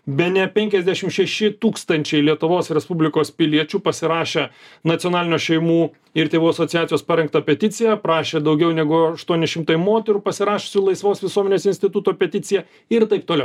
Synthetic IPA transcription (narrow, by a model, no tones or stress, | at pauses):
bʲɛnʲɛpʲɛŋʲkʲɛzʲd̪ʲæʃʲɪmʃʲɛʃʲɪt̪uːkst̪ɐnʲt͡ʃʲɛɪlʲiɛt̪ʊʋoːsɾʲɛspʊbʲlʲɪkoːspʲɪlʲiɛt͡ʃʲuːpɐsʲɪɾɑːʃʲeːnɐt̪ʲjoːnɑːlʲɪnʲuːʃʲɛɪmuː | ɪɾt̪ʲeːʋuːɐsoːt̪ʲɪjæːt͡s̪ʲɪjoːspɐɾʲɛŋk̚t̪ɐpʲɛt̪ʲɪsʲɪjɛprɑːʃʲeːd̪ɐʊɡʲɛʊnʲɛɡʊɐʃt̪uɔnʲɪʃʲɪmt̪ɐɪmoːt̪ʲɛɾuːpɐsʲɪɾɑːʃʲesʲʊlˠɐɪsʋoːsʋʲɪsuɔmʲɛnʲeːsɪnʲsʲt̪ʲɪt̪ʊt̪oːpʲɛt̪ʲɪt̪sʲɪjɛ | ɪɾt̪ɐɪp̚t̪oːlʲɛʊ